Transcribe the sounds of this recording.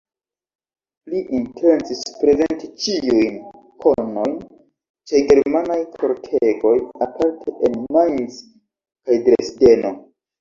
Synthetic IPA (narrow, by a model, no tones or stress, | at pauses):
liʔintʰe̞nt͡sispɾe̞zentit͡ʃiujn | kʰono̞jn | t͡ʃe̞ɡe̞ɾmanajkʰoɾtʰeɡo̞japaɾtʰeʔenmajs | kajdɾesde̞no̞